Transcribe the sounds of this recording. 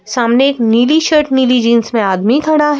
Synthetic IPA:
saːmneːkniːliʃəɾʈniːlid͡ʒɪnsmẽaːd̪mit̪ʰɐɽaɦ

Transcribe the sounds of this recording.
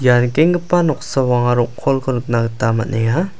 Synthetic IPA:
jankeŋɡɯpanɔk̚sawaŋaɾɔkkʰɔlkʰɔnɯk̚naɡɯtama̰nʔeŋa

